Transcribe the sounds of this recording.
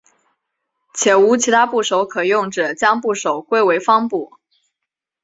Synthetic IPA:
t͡ɕʰjɛ˨˩nu˧˥t͡ɕʰi˧˥t̪ʰa˥pu˥˩ʂo˧˥ʊkʰɤ˨˩jʊ˥˩ŋʈ͡ʂɤ˨˩t͡ɕjɑ˥ŋpu˥˩ʂo˨˩ʊkwe˥ɪwe˧˥ɪfɑ˥ŋpu˥˩

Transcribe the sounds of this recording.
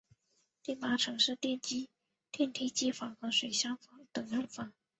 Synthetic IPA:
t̪i˥˩pa˧˥ʈ͡ʂʰɤ˧˥ŋʂɻ̩˥˧t̪jɛ˥˩nt͡ɕi˥ | t̪jɛ˥˩˧nt̪ʰi˥˩t͡ɕi˥fɑ˧˥ŋxɤ˧˥ʂwe˨˩ɪɕjɑ˥ŋfɑ˨˧˥ŋt̪ɤ˨˩ŋɻə˥˩nfɑ˨˩˦ŋ

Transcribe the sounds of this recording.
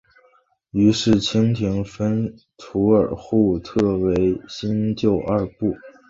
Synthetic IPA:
y˧˥ʂɻ̩˥˩t͡ɕʰi˥ŋt̪ʰi˧˥ŋfə˥n | t̪ʰu˧˥ə˞˨˩xu˥˧t̪ʰɤ˥˩we˧˥ɪɕi˥nt͡ɕjo˥˧ʊʔɐ˞˥˧pu˥˩

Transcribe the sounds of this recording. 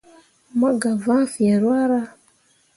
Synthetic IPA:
ma˦ɡa˨va˦fi˨ɛ˨ɾwa˦ɾa˦

